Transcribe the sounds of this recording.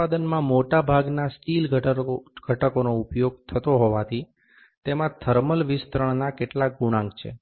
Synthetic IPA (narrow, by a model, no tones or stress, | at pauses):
ad̪ənmãmoʈabʱaɡnasʈilɡʱɡ̥ʱəʈəkonoupjoɡ̚t̪ʰət̪oɦoʋat̪ʰi | t̪emãt̪ʰəɾməlʋɪst̪ɾəɳ̃nakeʈlak̚ɡuɽ̃ãŋkt͡ʃʰḛ